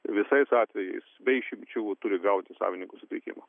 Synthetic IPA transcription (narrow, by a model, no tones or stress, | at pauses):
ʋʲɪsɐɪsɑːt̪ʲʋʲɛjɛ̰ɪsbʲɛɪʃʲɪmʲt͡ʃʲut̪ʊɾʲɪɡɐʊt̪ʲɪsɑ̰ːʋʲɪnʲɪŋkʊsʊt̪ʲɪkʲɪ̰mɐ